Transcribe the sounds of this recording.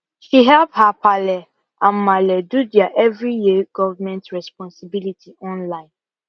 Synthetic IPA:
ʃiɦɛlphapʰalɛ | ʔãnmalɛdudɛaʔɛvɹijiɡ̥ɔvəmɛ̃ntɹɛspɔ̃nsibilitʰiʔɔ̃nlãɪ̃n

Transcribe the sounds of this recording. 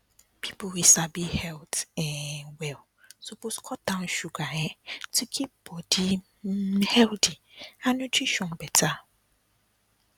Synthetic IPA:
pʰipʰowisabihɛltɛ̃nwɛl | supʰoskʰɔtãnʃuɡajɛ̃tʰukʰip̚b̥ɔdi | hɛltʰi | anũtʰɹiʃɔ̃nbɛtʰa

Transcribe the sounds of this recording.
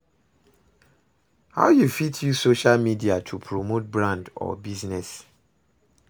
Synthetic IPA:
ha̰ʊjufitʰjusoʃalmidiatʰupʰɹomot̚bɹãndɔ̰biznɛs

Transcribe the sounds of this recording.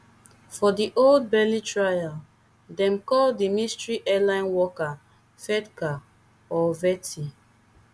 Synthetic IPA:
fɔdiʔold̚bɛlitɹajal | dɛ̃mkɔldimistɹiʔɛlãɪ̃nwɔka | fɛtka | ɔvɛtʰi

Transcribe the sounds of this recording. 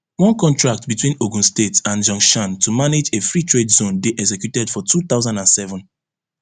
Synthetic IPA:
wɔ̃nkɔ̃ntɹak̚tbitwĩnoɡũnstetãnd͡ʒɔ̃ŋʃãntʰumaned͡ʒefɹitʰɹedzõnbeʔɛksɛkjutɛd̥fɔtʰuθaʊzãndãnsɛvɔ̃n

